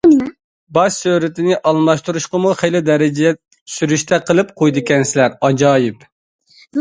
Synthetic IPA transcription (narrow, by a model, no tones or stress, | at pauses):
bɑʃsøɾɪt̪ɪnɪʔɑlˠmɑʃt̪uɾuʃqɑmuχejlɪd̪ɛɾɪd͡ʒɛ̥ | syɾyʃt̪ʰɛqʰəlˠɨp̚qʰojd̪ɨkʲɛnsɪlæɾɑd͡ʒɑːjɪp